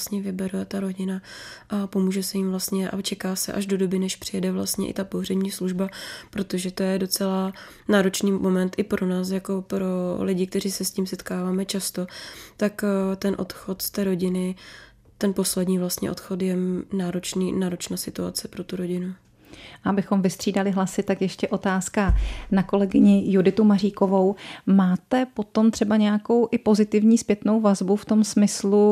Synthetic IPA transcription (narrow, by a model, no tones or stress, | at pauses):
st̪ɲɛvɪbɛɾoɛt̪aɾo̞ɟɪnaʔapo̞muːʒɛsɛjɪmvlast̪ɲɛʔa̰t͡ʃɛkaːsɛ̰ʔaʒdo̞do̞bɪnɛʃpr̥ɪjɛdɛvla̰st̪ɲɛ̰ʔɪ̰t̪apo̞ɦr̝ɛɲiːsluʒbapɾo̞t̪o̞ʒɛt̪o̞jɛdo̞t͡sɛla | naːɾo̞t͡ʃniːmo̞mɛnt̪ʔɪpɾʔo̞naːs̬jako̞pɾo̞lɪɟɪk̚t̪ɛriːsɛsciːmsɛt̪kaːvaːmɛt͡ʃast̪o̞t̪akt̪ɛnʔo̞̰t̪xo̞t̪st̪ɛːɾo̞ɟɪnɪ | t̪ɛnpo̞slɛdɲiːvlast̪ɲɛ̰ʔo̞t̪xot̪jɛnaːɾot͡ʃniːnaːɾot͡ʃnaːsɪt̪ua̰t͡sɛpɾo̞t̪uɾoɟɪnu | ʔaabɪxo̞mvɪst̪r̝̥iːdalɪɦlasɪt̪akjɛʃcɛʔo̞t̪aːskanako̞lɛɡɪɲɪjudɪt̪umariːko̞vo̞wmaːt̪ɛpo̞t̪o̞mt̪r̥ɛbaɲɛjako̞wʔɪpo̞zɪt̪ɪvɲiːspjɛt̪no̞wvazbuft̪o̞msmɪslu